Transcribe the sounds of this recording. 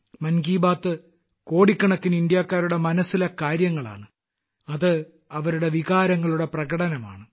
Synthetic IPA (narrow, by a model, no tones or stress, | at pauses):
mɐnɡiːbaːt̪ːɨ | ko̞ːɽikːɐɳɐkːinind̪jaːkːaːɾuɽe̞mɐnɐsːilɐkaːɾjɐŋːɐɭa̰ːɳɨ | ɐðɨ | ɐʋɐɾuɽe̞ʋiɣaːɾɐŋːɐɭuɽe̞prɐɣɐɽɐnɐma̰ːɳɨ